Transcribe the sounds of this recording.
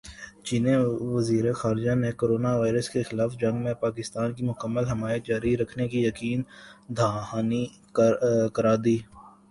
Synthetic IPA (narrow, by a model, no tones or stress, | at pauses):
t͡ʃiːneʋɐziːɾexaːɾd͡ʒanẽkoːɾoːnaʋaːɪɾəskexɪlaːfd͡ʒɐ̃ŋɡmẽpaːkɪst̪aːnkimʊkəmːəlɦɐmaːjət̪̚d͡ʒaːɾiɾɐkʰnekijɐkiːnd̪ʱaːɦaːni | kɐɾaːd̪iː